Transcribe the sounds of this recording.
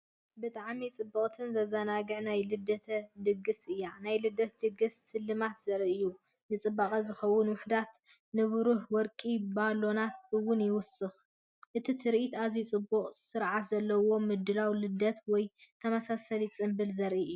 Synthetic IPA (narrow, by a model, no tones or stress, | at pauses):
bɨt̪ʼaʕmit͡sʼɨbːɐχʼt̪ʰɨnzɐzɐnaɡɨʕnajlɨd̪ɐt̪ʰɐd̪ɨɡɨsɨjːanajlɨd̪ɐt̪̚d̪ɨɡɨssɨlːɨmat̪zɐɾʔɨjːu | nɨt͡sʼɨbːaχʼɐzɨxɐwːʊnwʊħd̪at̪ | nɨβɾuħwɔɾkʼibalo̞nat̪̚ɨwːʊnjɪwʊsɨx | ʔɨt̪ʰit̪ʰɨɾʔit̪azit͡sʼɨbːuqʼsɨɾʕat̪zɐlːɐwo̞mɨd̪ɨlawlɨd̪ɐt̪wɔjt̪ʰɐmasasɐlit͡sʼɨmbɨlzɐɾʔiʔɨjːuː